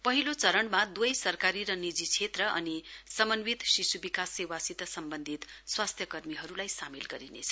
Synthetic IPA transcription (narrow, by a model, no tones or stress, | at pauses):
pʌɦilot͡sʌɾʌɳmad̪wʌjsʌrkaɾiɾʌnid͡zit͡sʰet̪rʌʔʌ̰nisʌmʌnwit̪sisubikasːewasit̪ʌsʌmbʌnd̪ʱit̪swast̪ʰjʌkʌrmiɦʌɾulajsamelɡʌɾinḛt͡sʰʌ̥